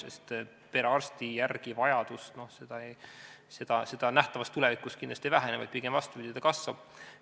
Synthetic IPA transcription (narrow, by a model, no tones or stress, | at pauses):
sest̪ | pe̞ɾeɑrst̪ijærɡ̥ivɑjɑd̪̥ust̪no̞hse̞d̪̥ɑej | se̞d̪̥ɑse̞d̪̥ɑnæht̪ɑvɑst̪ːulɛvikːˑust̪kind̪lɑst̪ievæɦænevɑ̰jd̪̥̚piɡ̥emvɑst̪upid̪̥ʲid̪ekɑsvɑb̥